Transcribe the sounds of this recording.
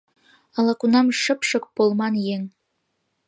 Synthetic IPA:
ɑlˠɑkunɑmʃə̆pʃɤ̆k̚polˠmɑnjeŋ

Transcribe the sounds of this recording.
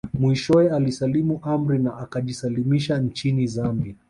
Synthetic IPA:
mwiʃɔɛalisalimuʔam̩ɾinaʔakaʄisalimiʃan̩t͡ʃinizambia

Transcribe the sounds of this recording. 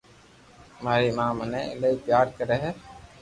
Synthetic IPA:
maːɾimãːmɐneləipjaːɾkəɾeɦɛː

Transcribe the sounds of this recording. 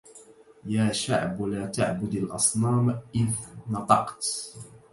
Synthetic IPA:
jaːʃa̰ʕblaːt̪aʕbʊd̪alʔɑ̰sˤnɑːmʔɪnnɑt̪ˤɑqt̪

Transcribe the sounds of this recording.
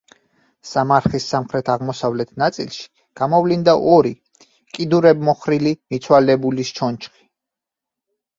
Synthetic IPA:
samaɾχisːamχɾɛt̪ʰaʁmɔsavlɛt̪ʰnat̪sʼḭlˠʃi̥ | ɡ̥amɔvlind̪aʔɔɾi | kʼid̪uɾɛbmɔχɾilimit̪sʰwalɛbulist͡ʃʰɔnt͡ʃʰχi̥

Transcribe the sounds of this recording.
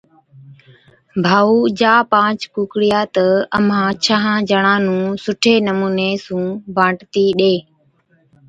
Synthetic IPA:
bʱaːuːd͡ʒaːpãːt͡ʃkuːkɽɪjaːt̪əəmãːt͡ʃʰaɦãːd͡ʒəɳãːnũːsʊʈʰeːnəmuːneːsũːbãːʈt̪iːɗeː

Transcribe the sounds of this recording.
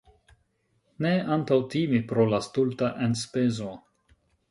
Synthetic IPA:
neantawtimipɾolastultaʔenspezo

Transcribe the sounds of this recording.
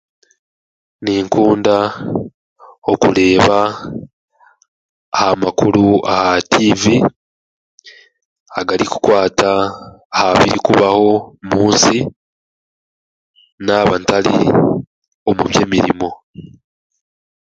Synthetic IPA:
niːŋkuːnda | o̞kuɾe̞ːβa | hamakuɾuahativi | aɡaɾiku̥kwaːtaː | haβiɾikuβaho̞muːnsi | naβantalḭ | o̞muβje̞ːmiɾḭmo̞

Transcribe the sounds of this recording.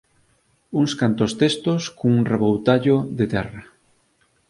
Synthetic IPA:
uŋskant̪ost̪est̪oskoŋuŋreβowt̪aʎoðet̪ɛra

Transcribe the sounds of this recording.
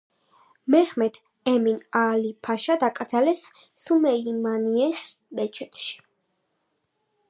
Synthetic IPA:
mɛχmɛt̪ʰ | ɛminalipʰaʃad̪akʼɾd̪zalɛsː | umɛimaniɛs | bɛt͡ʃʰɛt̪ʰʼʃi̥

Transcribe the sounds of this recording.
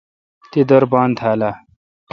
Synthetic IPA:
t̪id̪ɐɾbaːnd̪ʰaːla

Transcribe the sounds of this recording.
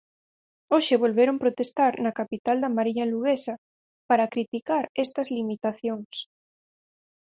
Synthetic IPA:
oʃeβ̞olβeɾompɾot̪est̪aɾnɐkapit̪ald̪ɐmaɾiɲaluɣ̞esɐ | paɾakɾit̪ikaɾest̪ɐzlimit̪aθjoŋs

